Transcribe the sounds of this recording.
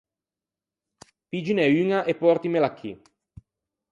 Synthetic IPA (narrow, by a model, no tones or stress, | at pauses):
pid͡ʒineyŋaʔepːɔrt̪imelakʰːḭ